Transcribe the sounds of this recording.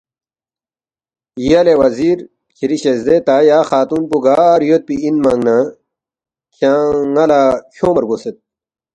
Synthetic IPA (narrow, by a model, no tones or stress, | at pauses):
jɐlewɐziːɾ | kʰiɾiɕezd̪et̪aːjaːxaːt̪unpuɡaːɾjot̪̚piinmɐŋna | kʰaŋɐlaːkʰoːmɐɾɡoset̪̚